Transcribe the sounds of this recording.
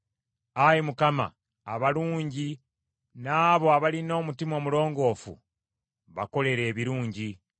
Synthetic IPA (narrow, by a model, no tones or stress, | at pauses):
ajimukama̰ː | βaluːɲɟi | naːβo̞aβalino̞ːmutimo̞ːmulo̞ːŋɡo̞ːfṵ | βa̰ko̞le̞ɾe̞ːβiɾuːɲɟi